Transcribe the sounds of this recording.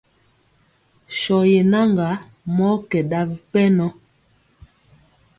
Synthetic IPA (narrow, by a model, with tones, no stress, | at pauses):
ʃɔ˨je˨na˦ŋɡa˨˦ | mɔ˦kɛ˨ɗa˦vi˦pɛ˦nɔ˦